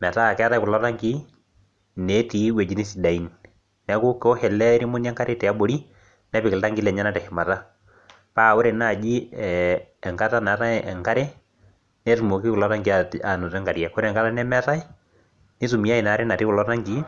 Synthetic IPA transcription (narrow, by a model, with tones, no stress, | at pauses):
mɛ˨taː˦˨kɛ˦a˦ta˦i˦kʊ˨lɔ˦ta˦ŋɡi˦ | nɛ˨˦ti˨˦we˨d͡ʒi˦ni˦si˨da˨i˨˦n | nɛ˨˦kʊ˦ko˦hɛ˨lɛ˦ɾi˦mʊ˦n˦ɛ˦ŋka˦ɾe˦tɛ˨a˦bo˨˦ɾi˦ | nɛ˦pɪ˨kɪ˨lta˦ŋɡi˦lɛ˨ɲa˦na˦tɛ˨hɪ˨ma˨ta˦ | paː˦˨o˦ɾe˨na˨d͡ʒi˦ɛː˨ŋka˦ta˦na˨ta˦ɛ˨ŋka˦ɾe˦ | nɛ˦tu˨mo˨ki˦kʊ˨lɔ˦ta˦ŋɡi˦a˨a˨no˨tɛ˦ŋɡa˨ɾja˨ko˦ɾɛ˨ŋka˦la˦nɛ˦mɛ˦ta˦i˦ | ni˦s̬u˨mi˨˦a˦i˨na˨˦ɾe˦na˨ti˦kʊ˨lɔ˦ta˦ŋɡi˨˦